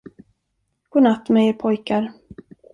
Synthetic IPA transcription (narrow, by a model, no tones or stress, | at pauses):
ɡ̥oːnat̪ːmɛjəɾpʰɔjkaɾ